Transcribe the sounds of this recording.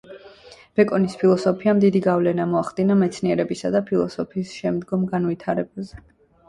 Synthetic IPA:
b̥ɛkʼɔnispʰilˠɔsɔpʰiamd̪id̪iɡavlɛnamɔaχd̪inamɛt̪sʰniɛɾɛbisad̪apʰilˠɔ̰sɔpʰiːsʃɛmd̪ɡɔmɡanvit̪ʰaɾɛbazɛ

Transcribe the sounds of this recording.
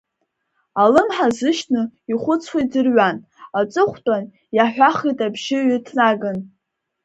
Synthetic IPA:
alɨmħazɨʃnɨiχʷʊt͡sʰwadɨrɥan | at͡sʼɨχʷtʼan | jaħʷᶣaχijtʼabʒɪɥɪtʰnaɡɨn

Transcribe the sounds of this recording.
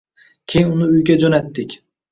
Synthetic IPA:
kʲʰejɪnʊnɪʊjɡʲad͡ʒonat̪ːɪkʲ

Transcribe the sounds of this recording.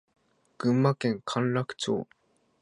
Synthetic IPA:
ɡ̥ɯ̟̃mːakẽŋkʰãnɾakɯ̟̥t͡ɕo̰ː

